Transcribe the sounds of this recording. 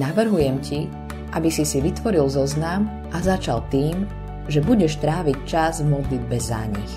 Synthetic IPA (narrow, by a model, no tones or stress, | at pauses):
naʋr̩ɦujɛmci | ʔabisisiʋit̪ʋɔɾilzɔznam | ʔazat͡ʃalt̪iːm | ʒɛbuɟɛʃt̪ɾaːʋict͡ʃazvmɔd̪lid̪̚bɛza̰ɲḭx